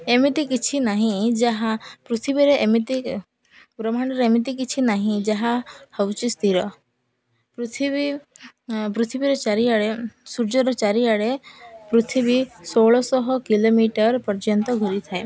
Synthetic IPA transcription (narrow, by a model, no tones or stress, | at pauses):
emit̪ikit͡ʃʰinaɦĩd͡ʒaɦapɾut̪ʰibiɾemit̪i | pɾɔmaɳ̃ɔɾemit̪̬ikit͡ʃʰinaɦĩd͡ʒaɦahəwt͡ʃist̪iɾɔ | pɾt̪ʰibi | pɾut̪ʰibiɾɔt͡ʃaɾiaɽesuɾd͡ʒɔɾɔt͡ʃaɾiaɽepɾut̪ʰibisoɭɔsɔɦɔkilomiʈəɾpɔɾd͡ʒɔnt̪ɔɡʱuɾit̪ʰae